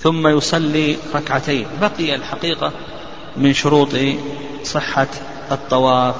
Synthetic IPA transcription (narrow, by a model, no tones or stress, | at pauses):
θʊmːajʊsˤɑlːiɾˤɑkʕat̪aːnbaqɪjalħaqiːqa | mɪnʃʊɾuːt̪ˤ | sˤɨħːa | ʔɨt̪ˤːɑwɑːf